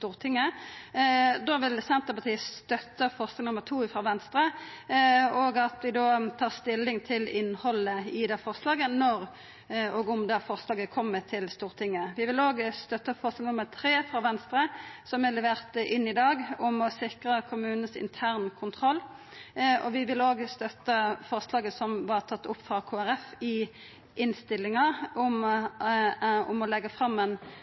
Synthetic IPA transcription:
t̪uːʁt̪ʰɪŋːə | d̪oːʋɪlsɛnt̪əpʰɑt̪ʰiːst̪œt̪əfɔʁsɪŋnʊmːəʁt̪ʰuːɪfɾɑːʋɛnst̪ɾə | oːɡɑt̪d̪ɪd̪oːt̪ʰɑːʁst̪ɪlːɪŋt̪ʰɪlɪnhɔləɪd̪ɛfɔʁslɑːɡənɔʁ | ɔːɡʊmd̪ɑfɔʁslɑːɡəkʰɔmːət̪ʰɪlst̪uːʁt̪ʰɪŋːəʋɪʋɪloːɡst̪œt̪ːəfɔʁsnɪŋnʊməɾt̪ʰɾeːfɾɑːʋɛnst̪ɾəsɔmælɛʋeːʁt̪ɪnːɪd̪ɑːɡʊmɔsɪkʁəkʰʊmʉːnnsɪ̰nt̪ʰæːʁnkʰʊnt̪ʰʁɔlː | ɔ̰ʋɪʋɪloːɡst̪œt̪ːəfɔʁslɑːɡəsɔmʋɑʁt̪ʰɑt̪ːʊpːfɾɑkʰoːæɾɛfɪ | ʔɪnst̪ɪlːɪŋɑʊm | ʊmɔlɛɡːəfʁɑmːɛn

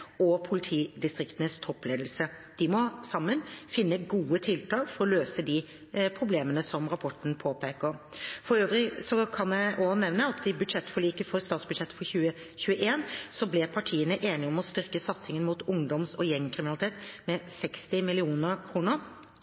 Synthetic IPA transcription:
ɔpʰʊlɪt̪ʰiːd̪ɪst̪ɾɪkt̪ənəst̪ʰɔpːleːd̪l̩sə | d̪̥ɪmɔsɑmːənfɪnːəɡuːət̪ʰɪlt̪ʰɑːɡfɔɾɔløːsəd̪ɪ | pʰɾʊbleːmənəsɔmɾɑpʰɔʈɳ̩pʰoːpʰeːkəɾfɔɾøːʋɾɪsɔkʰɑnjæɪʔɔnɛʋnəɑt̪d̪ɪbʉd̪ʂɛt̪ːfɔɭiːkəfɔɾst̪ɑːt̪sbʉd̪ʂɛt̪ːə̥fɔɾçʉːə | çʉːəʔeːnsɔblɛpʰɑʈʰiːənəʔeːnɪɔmɔst̪ʏɾkəsɑt̪sɪŋənmuːt̪ʊŋd̪ɔmsɔjɛŋkʰɾɪmɪnɑlɪt̪ʰeːt̪mɛsɛkst̪ɪmɪlɪuːnəɾkʰɾuːnəɾ

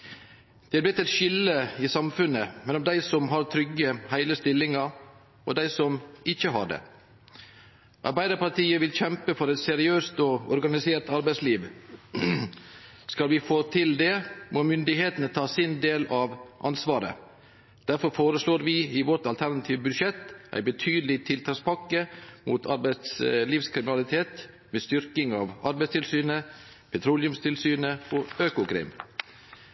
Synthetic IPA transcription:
d̪̥ɛblɪt̪ːɛt̪ʃɪlːəɪsɑmfʉnəmɛlɔmd̪æɪsɔmɦɑɾt̪ʰɾʏɡəhæɪləst̪ɪlːɪŋɑɾ | ʔɔ̰d̪æɪsɔmʔɪçəɦɑ̰ɖɛ̰ | ʔɑ̰ɾbæɪd̪əɾpɑɾʈ̪iːəʋɪlçɛmpəfɔɾɛt̪sɛɾɪøːst̪ɔɔɾɡɑnɪseːɾt̪ɑɾbæɪsliːʋ | skɑlʋɪfoːt̪ʰɪld̪ɛmomʏnd̪ɪheːt̪ənət̪ʰɑːsɪnd̪eːlɑʋʔɑnsʋɑːɾə̰ | d̪̥æɾfɔɾfoːɾəsloːɾʋɪɪʋɔʈɑlt̪ʰæɾnɑt̪ʰiːʋbʉʃɛt̪ʔæ̰ɪbət̪ʰyːd̪əlɪt̪ʰɪlt̪ʰɑːkspʰɑkːəmuːt̪ʰɑɾbæɪt̪sliːʋskʰɾɪmɪnɑlɪt̪ʰeːt̪ | mest̪ʏɾkɪŋɑːʋɑɾbæɪst̪ʰɪlsyːnə | pʰɛt̪ʰɾʊlɪʉmst̪ʰɪlsyːnəoːøːkʊkʰɾɛ̰ːm

